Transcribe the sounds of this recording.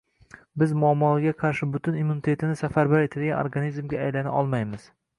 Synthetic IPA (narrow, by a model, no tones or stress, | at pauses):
bɪzmʊamːɒlɡʲaqʰɑɾʃɪbʊt̪ɪnimːunit̪ʰe̞t̪ʰɪnɪsafaɾbaɾe̞t̪ʰɪlɡʲano̰ɾɡanizmɡʲaajlana̰ʔɒlˠmajmɪz̥